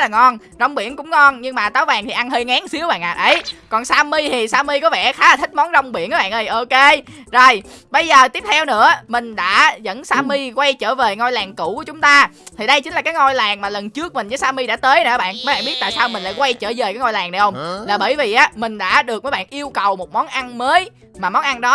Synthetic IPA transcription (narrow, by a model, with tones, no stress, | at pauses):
laː˨˩ŋɔ˧n | zə˧wŋ͡mɓḭ˧˩ənkʊ̰˧˥ŋ͡mŋɔ˧nɲɨ˧ŋmaː˨˩t̪aː˨˦wvaː˨˩ŋt̪ʰi˨˩ʔa˧nɦəː˧jŋaː˨˦ŋsi˨˦əwɓa̰ː˧˨nʔaː˨˩tʔə˨˦jkɔ˨˩nsaː˧mi˧t̪ʰi˨˩saː˧mi˧kɔ˨˦vɛ̰˧˩xaː˨˦laː˨˩t̪ʰï˦˥k̚mɔ˨˦nzə˧wŋ͡mɓi˧˩ənʔaː˨˦ɓa̰ː˧˨nʔɗə˧˩jʔo˧ke˧zo˨˩jɓə˧jzəː˨˩t̪i˦˥əp̚t̪ʰɛ˧wnɨ̰˧˥əmï˨˩ŋ̟ɗa̰ː˧˥zə̰˧˥nsaː˧mi˧kwa˧jt͡ɕəː˧˩ve˨˩ŋo˧jlaː˨˩ŋkṵ˧˩ku˧˩ət͡ɕʊ˨˦ŋ͡mt̪aː˧ | t̪ʰi˨˩ɗə˧jt͡ɕï˨˦ŋ̟aː˨˩kaː˨˦jŋo˧jlaː˨˩ŋmaː˨˩lə˨˩nt͡ɕɨ˦˥ək̚mï˨˩ŋ̟zəː˨˦jsaː˧mi˧ɗa̰ː˧˥t̪əː˨˦jnː˧˨˧ɓa̰ː˧˨nməː˨˦ɓaː˧˨˩ɓi˦˥t̚t̪a̰ː˧˨jsaː˧wmï˨˩ŋ̟la̰ː˧˥jkwa˧jt͡ɕəː˧˩zve˨˩kaː˨˦ŋo˧jlaː˨˩ŋna˨˩jhə˧ŋ͡mlaː˨˩ɓəː˧˩jvi˨˩ʔaː˨˦mï˨˩ŋ̟ɗa̰ː˧˥ɗɨ˨˩ək̚əː˨˦jɓaː˧˨nʔi˧əwkə˨˩wmo˨˩t̚mɔ˨˦nʔa˧nməː˨˦j | maː˨˩mɔ˨˦nʔa˧nɗɔ˨˦